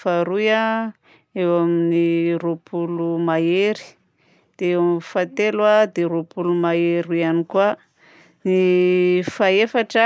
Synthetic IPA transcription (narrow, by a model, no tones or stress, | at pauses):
faɾuja | ewaminiropʰulumaeɾi̥ | d̪̥eewamfat̪elwad̪eɾopulumaeɾuanikwa | ni | faefaʈ͡ʂa